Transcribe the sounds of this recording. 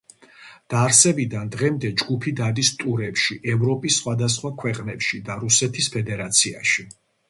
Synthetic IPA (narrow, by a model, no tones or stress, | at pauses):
d̪̥aɾsɛbid̪and̪ʁɛmd̪ɛd͡ʒɡupʰid̪ad̪ist̪ʼuɾɛpʃiʔɛvɾɔpʼisːχwad̪as̬χwakʰwɛqʼnɛpʃid̪aɾusɛt̪ʰispʰɛd̪ɛɾat̪sʰiaʃi